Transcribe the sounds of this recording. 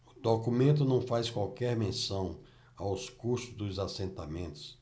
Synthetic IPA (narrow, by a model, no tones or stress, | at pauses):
ʊd̪okumẽnt̪̬ʊnɐ̃w̃fajskwawkɛɾmẽsɐ̃w̃ | awskuɾsʊzd̪ʊzasẽnt̪amẽnt̪ʊ̥s